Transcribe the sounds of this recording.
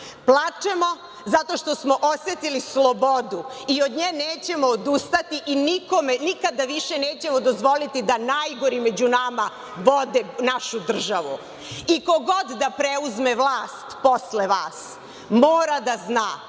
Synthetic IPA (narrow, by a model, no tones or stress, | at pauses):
plˠat͡ʃemo̞ | zat̪o̞ʃt̪o̞smo̞ʔosjet̪ilislˠobod̪uiod̪ɲeneːt͡ɕe̞mo̞ːd̪ust̪at̪iʔiniko̞menikad̪aʋiʃe̞neːt͡ɕe̞mod̪ozʋo̞lit̪id̪anajɡo̞ɾime̞d͡ʑunama | ʋod̪enaʃud̪r̩ʒaʋu | iko̞ɡod̪d̪apɾeuzmeʋlˠaːst̪po̞sleʋaːs | moːɾad̪aznaː